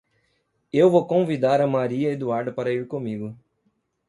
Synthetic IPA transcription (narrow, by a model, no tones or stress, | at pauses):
ewvokõvid̪aɾɐmaɾiɐed̪uaɾd̪ɐpaɾɐiɾkõmiɡʊ